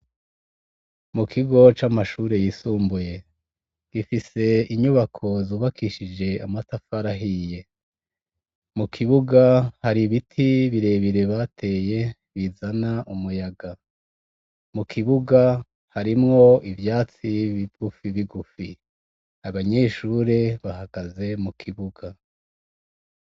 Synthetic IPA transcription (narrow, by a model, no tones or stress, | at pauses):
mukʰiɡo̞t͡ʃamaʃuːɾe̞jisuːmbuje̞ | ɡ̥ifise̞iɲuβakʰo̞zuːβakiʃid͡ʒe̞amatafaɾaɦije̞ | mukʰiβuɡahaɾiβitʰiβiɾe̞βiɾe̞βatʰe̞ːje̞ | βizanaʔumujaɡa | mukʰiβuɡa | haɾimŋo̞ivjaːt͡siβiɡ̥ufiβiɡufi | aβaɲe̞ːʃuɾe̞βaɦaɡ̥aze̞mukʰiβuɡa